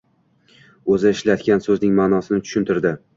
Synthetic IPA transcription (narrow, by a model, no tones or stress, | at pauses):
ɵzɪɪʃlat̪kʲansɵznɪŋmaːnɒsɪnɪt͡ʃ̪ʰʊ̥ʃɪnt̪ɪɾd̪ɪ